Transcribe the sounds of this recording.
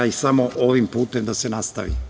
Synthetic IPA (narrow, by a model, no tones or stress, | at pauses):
aisamoʔoʋimpuːt̪emd̪asenast̪a̰ʋḭ